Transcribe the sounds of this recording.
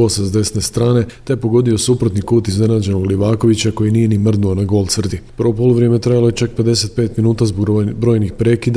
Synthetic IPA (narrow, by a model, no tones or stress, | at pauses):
osezd̪e̞snest̪ɾaːne̞t̪ejepo̞ɡo̞d̪io̞supɾot̪nikuːt̪izne̞naːd͡ʑe̞nouliʋaːko̞ʋit͡ɕako̞jinije̞nimr̩d̪nuonaɡo̞lˠt̪sərd̪ipəɾʋopoluʋɾje̞me̞t̪ɾajalo̞jet͡ʃakpe̞d̪e̞se̞t̪̚pe̞ːt̪minuːt̪azboɡbɾo̞ːjnixpɾe̞ːkid̪